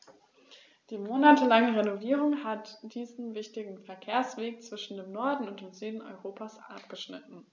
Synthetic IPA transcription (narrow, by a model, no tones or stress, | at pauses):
d̥iːmoːnatʰəlaŋəʁenoviːʁʊŋhatd̥iːzn̩vɪçtɪɡŋ̩fɛɐkʰeːɐsv̥eːk̚t͡sv̥ɪʃn̩deːmnɔɐdn̩ʊnt̚d̥eːmzyːdn̩ɔ̰ʏʁoːpʰasʔa̰p̚ɡ̥əʃnɪtn̩